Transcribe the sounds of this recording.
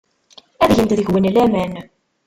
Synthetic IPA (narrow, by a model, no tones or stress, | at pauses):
æðʝənt̪ðəçwənlæmæn